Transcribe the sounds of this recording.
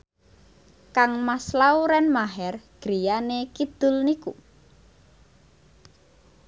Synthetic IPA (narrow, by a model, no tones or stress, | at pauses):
kaŋmaslauɾɛnmaɦɛrɡ̥ɾijanekid̪̥ʊ̤lnikṵ